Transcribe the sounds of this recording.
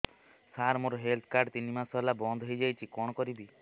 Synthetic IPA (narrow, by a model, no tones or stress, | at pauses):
saɾmoɾɔɦelt̪ʰkaɾɖt̪inimasɔlabɔnd̪ʱɦojd͡ʒajt͡ʃʰikɔɽ̃ɔkɔɾibi